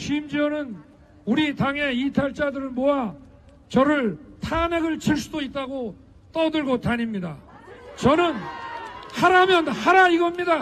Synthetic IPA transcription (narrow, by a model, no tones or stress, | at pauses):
ɕʰimd͡ʑiʌnɯn | uɾit̪aŋɦe̞itʰaɭt͡ɕ͈adɯɾɯɭmowa | t͡ɕʌɾɯɭtʰameɡɯɭt͡ɕiɭs͈udoit̚t͈aɡo | t̪͈ʌdɯɭɡotaɲimɲidat͡ɕʌnɯn | haɾamjʌnhaɾaiɡʌmɲida